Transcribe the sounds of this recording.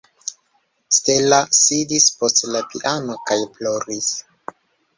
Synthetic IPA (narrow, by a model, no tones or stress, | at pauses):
stelasidispo̞stlapiʔano̞kajplo̞ɾis